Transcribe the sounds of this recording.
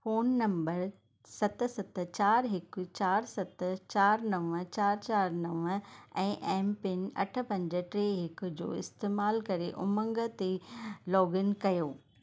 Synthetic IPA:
foːnːɐ̃mbəɾ | sɐt̪̆sɐt̪̆t͡ɕaːɾɦɪk̆t͡ɕaːɾsɐt̪t͡ɕaːɾnɐʋə̃̆t͡ɕaːɾt͡ɕaːɾnɐʋəɛ̃ːʔɛːmpɪnɐ̰ʈʰə̆pɐ̃ɲd͡ʑə̆ʈɾeːɦɪkd͡ʑo̰ːɪst̪eːmaːlkɐɾeʔʊmə̃ŋɡə̆t̪elɔːɡɪnkɐjoː

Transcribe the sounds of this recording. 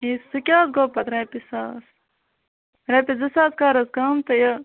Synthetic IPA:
isːɨkʲaːsɡoːpɐt̪ɾɐːpisaːs | ɾepizɐsaːskaːɾɐskaːmt̪ɐjɐ

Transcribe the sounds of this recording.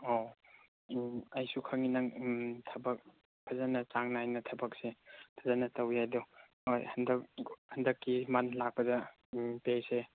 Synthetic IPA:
o | ɐjsukʰɐŋinɐŋtʰɐbɐk̚ | pʰɐzanɐt͡ʃaŋnajnɐtʰɐbɐk̚sepʰazanɐtɐwhajdɔ | ojhɐndɐk̚hɐndɐkːimɐnlak̚pɐdɐ | pese

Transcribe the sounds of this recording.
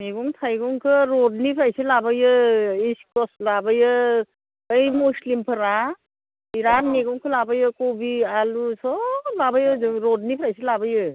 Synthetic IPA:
meɡuŋtʰajɡuŋkʰɯɾɔd̚nipʰɾajsɯlabɯjɯiskɔslabɯjɯ | ɯjmuslimpʰɯɾa | iɾanmeɡuŋkʰɯlabajɯkobialusɔlabajɯɾɔd̚nipʰɾajsilabɯjɯ

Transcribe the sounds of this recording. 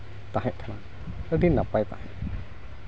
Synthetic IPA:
t̪aɦɛʔ̚t̪ʰana | əd̪inapajt̪a̰hɛt

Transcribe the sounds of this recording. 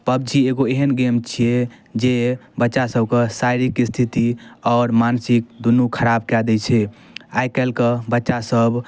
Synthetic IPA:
pəb̚d͡ʒieɡoeɦənɡemt͡ʃʰied͡ʒebətːʃasəbkəsajɾikist̪ʰit̪iɔʊɾmansik̚d̪unːukʰəɾab̚kɛd̪ɛt͡ʃʰɛajkɛlkəbətːʃasəb

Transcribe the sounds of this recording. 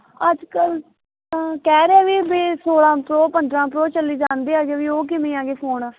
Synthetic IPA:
əd͡ʒkəl | kɛːɾeaːʋiːbeːsoːɽãːpɾoːpənd̪ɾãːpɾoːt͡ʃəlːiːd͡ʒãːnd̪iːaːɡeːʋiːoːk̬ɪmẽːãːɡeːpʰoːnaː

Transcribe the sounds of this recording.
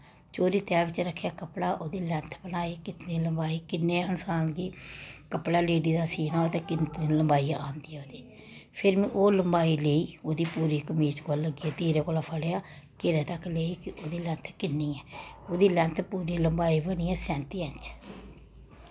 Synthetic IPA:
t͡ʃoːɾiːt̪ɛːʋɪt͡ʃɾəkʰːjaːkəpɽaːʔoːd̪iːlɛ̃ːnt̪ʰbənaːeːkɪt̪nĩːləmbaːiːkɪnːeːənsaːnɡ̪iːkəpɽaːleːɖiːd̪aːsiːnaːoːt̪ẽːkɪnt̪iːləmbaːiːaʔaːnd̪iɛːoːd̪iː | pʰɪɾmĩːʔoːləmbaːiːleːiːoːd̪iːpuːɾiːkəmiːt͡ʃɡolːəɡieːt̪iːɾeːkoːlaːpʰəɽejaːkɪɾẽːt̪əkːleːiːkɪʔoːd̪iːlɛ̃ːnt̪ʰkɪnːiːɛːoːd̪iːlɛ̃ːnt̪ʰpuːɾiːləmbaːiːbəɽ̃iːɛːsɛ̃ːnt̪iːɛ̃nt͡ʃ

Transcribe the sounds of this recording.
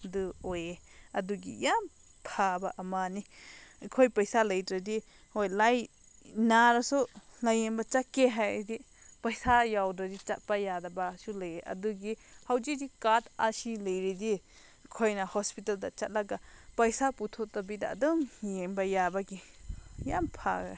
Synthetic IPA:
duojeɐduɡḭjam | pʰabaʔɐmanikʰojpɐjsalɐjdɾadi | hojlaj | naɾasulajenbɐt͡ʃakeɦajdi | pɐjsajawdɾadit͡ʃat̚pajadabasulajeʔɐ̰duɡihawd͡ʒidikatasilɐjɾidi | kʰojnɐhɔspitaldɐt͡ʃat̚laɡapɐjsaputʰotːabida̰ːdɔŋjembɐjabɐɡijampʰa̰ɡa̰

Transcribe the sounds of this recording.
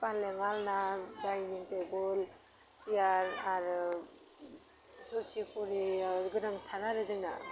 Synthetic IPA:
panleŋalnadajniŋtebɔl | sijaɾaɾɯ | sɔsikʰuɾiɡɯdaŋtʰaɾaɾɯzɯŋna̰

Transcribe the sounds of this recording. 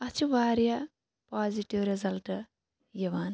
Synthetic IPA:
ɐt͡ʃuʋaːɾja | paːziʈiʋɾezɐlʈ | jiʋaːn

